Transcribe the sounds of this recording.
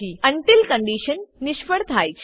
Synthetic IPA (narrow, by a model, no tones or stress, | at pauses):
iːəɳʈilkə̃ɳɖiɕənːiɕpəɽt̪ʰajt͡ɕ